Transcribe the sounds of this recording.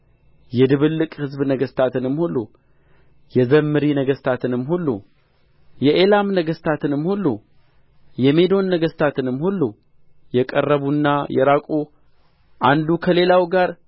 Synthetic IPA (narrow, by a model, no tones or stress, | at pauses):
jɛd̪ɨβɨlːɨkʼhɨzbnəɡəst̪ʰat̪ʰɨnɨmːhulːu | jɛzəmːɨɾinəɡəst̪ʰat̪ʰɨnɨmːhulːṵ | jɛʔelamnəɡəst̪ʰat̪ɨnɨmːhulːu | jɛme̞d̪o̞nːəɡəst̪ʰat̪ʰɨnɨmːhulːu | jɛkʼərːəβunːajɛ̰ɾakʼu | ʔand̪ukʰəle̞lawɡaɾ